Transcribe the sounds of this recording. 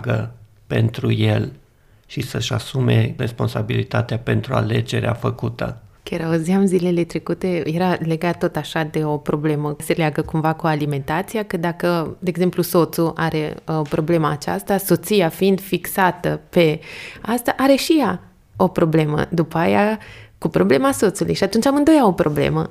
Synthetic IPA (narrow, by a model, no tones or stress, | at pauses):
ɡə | pe̞̰nt̪ɾujel | ʃisəʃasume̞̰respo̞nsabilit̪at̪eape̞nt̪ɾua̰le̞d͡ʒe̞ɾea̰fəkut̪ə̰kʲaɾaoziamzile̞le̞t̪ɾekut̪e̞je̞ɾale̞ɡat̪ːo̞t̪aʃad̪e̞o̞pɾo̞ble̞məse̞leaɡəkumvakualime̞nt̪at̪sijakəd̪akəd̪eeɡze̞mpluso̞t̪suʔa̰ɾe̞̰opɾo̞ble̞maːt͡ʃast̪aso̞t̪siafiind̪fiksat̪əpe̞ast̪aʔaɾe̞ʃija | o̞pɾo̞ble̞mə̰d̪upajakupɾo̞ble̞maso̞t̪sulṵjʃiat̪unt͡ʃʲamɨnd̪o̞jao̞pɾo̞ble̞̰mə